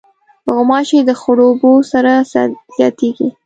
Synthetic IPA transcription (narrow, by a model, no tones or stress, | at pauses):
pəɣʊmɑʃed̪əxʊɽobosaɾasz̥jɑt̪eɡi